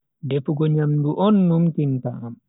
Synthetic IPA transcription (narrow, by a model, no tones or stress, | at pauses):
dɛfuɡɔɲamduʔɔnːumtinta̰am